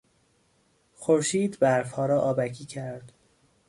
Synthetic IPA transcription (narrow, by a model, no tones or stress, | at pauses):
xoɾʃiːd̪bæɾfhɒːɾɒːʔɒːbækʰiːcʰæɾd̪̥